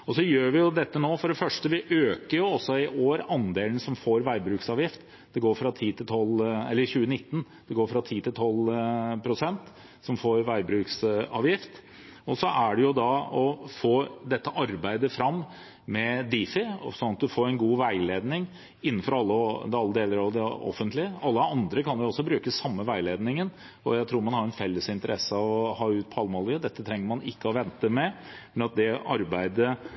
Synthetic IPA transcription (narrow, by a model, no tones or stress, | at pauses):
ɔsɔjøːɾʋɪjʊd̪ɛt̪ːənoːfɔɖɛfœʂʈəʋɪʔøːkəɾjʊɔsːɔɪʔoːɾɑnd̪eːln̩sɔmfoːɾʋæɪbɾʉːksɑːʋjɪft̪ | d̪̥ɛɡoːɾfɾɑt̪ʰiːt̪ʰɪlt̪ʰɔlːɛlːəɾçʉːənɪt̪ːn̩ | d̪̥ɛɡoːɾfɾɑt̪ʰiːt̪ʰɪlt̪ʰɔlːpʰɾʊsɛnt̪ | sɔmfoːɾʋæɪbɾʉːksɑ̰ːʋjɪft̪ | ɔsɔʔæɖɛjʊd̪ɑɔfoːd̪ɛt̪ːəʔɑɾbæɪd̪əfɾɑmː | mɛd̪iːfɪsɔnːɑt̪̚d̪ʉfoːɾɛɪnɡuːʋæɪleːd̪nɪŋ | ɪnːn̩fɔɾɑlːəd̪ɑlːəd̪eːləɾɑʋd̪ɛɔ̰fːənt̪lɪəɑlːəɑnd̪ɾəkʰɑnjʊɔsːɔbɾʉːkəsɑmːəʋæɪleːd̪nɪŋən | ɔjæɪt̪ʰɾuːɾmɑnhɑɾɛnfɛlːəsɪnt̪əɾɛsəɑʋɔhɑːʉːt̪̚pʰɔɑlmɑlɡəd̪ɛt̪ːə̥t̪ʰɾɛŋːəɾmɑnɪkːəɔʋɛnt̪əmɛmɛnɑt̪̚d̪ɛʔɑɾbæɪd̪ə